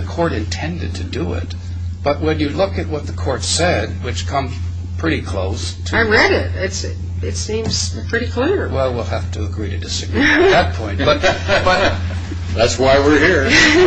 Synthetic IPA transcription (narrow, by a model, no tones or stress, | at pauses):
ɨkʰɔɹɾɨ̰̃ntʰɛ̃ndɨd̚tʰɨdɨɪ̰t̚ | b̥ʌt̚wɨ̃njɨlʊkɨt̚wʌt̪̚ðəkʰɔɹtsɛd̚wɨt͡ʃkʰʌ̃mz̥ | pʰɹ̥ɪɾikʰl̥o̰ʊs | tʰaɪɹɛɾɪt̚ɪts | ɪtsĩmz̥pʰɹ̥ɪɾikʰl̥ɪɹwɛlˠwilˠhæftʰɨəɡɹiɾɨdɪsɨɡɹiðɨt̚pʰɔ̃ɪ̃nb̥ʌt̚b̥ʌt | ðætswaɪwɪɹhiɹ